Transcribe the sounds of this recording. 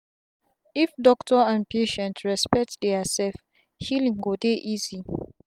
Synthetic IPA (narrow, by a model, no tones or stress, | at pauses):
ifdɔktʰɔãn̚pʰeʃɛ̃ntʰɹɛspɛk̚tdɛasɛlf | hilĩŋɡodeʔizi